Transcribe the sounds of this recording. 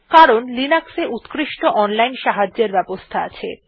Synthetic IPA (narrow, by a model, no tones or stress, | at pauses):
kaɾonlinakseʔut̪kɾiʃʈoʔɔnlajnʃaɦad͡ʑːeɾbɛbost̪ʰaa̰t͡ɕʰḛ